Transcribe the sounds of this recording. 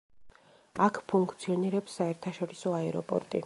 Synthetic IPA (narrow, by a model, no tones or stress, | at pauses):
akʰpʰuŋkʰt̪sʰiɔniɾɛpsːaɛɾt̪ʰaʃɔɾisɔaɛɾɔ̰pʼɔ̰ɾt̪ʼḭ